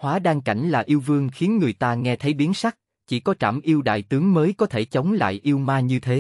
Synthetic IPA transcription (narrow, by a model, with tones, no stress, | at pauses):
hwaː˨˦ɗaː˧ŋka˧˩jŋ̟laː˨˩ʔi˧əwvɨ˧əŋxi˨˦ənŋɨ˨˩əjt̪aː˧ŋɛ˧t̪ʰə˨˦jɓi˨˦ənsa˦˥jk̚ | t͡ɕḭ˧˩kɔ˨˦t͡ɕa̰ː˧˩mʔi˧əwɗa̰ː˧˨jt̪ɨ˨˦əŋməː˨˦jkɔ˨˦t̪ʰe˧˩t͡ɕə˨˦wŋ͡mla̰ː˧˨jʔi˧əwmaː˧ɲɨ˧t̪ʰe˨˦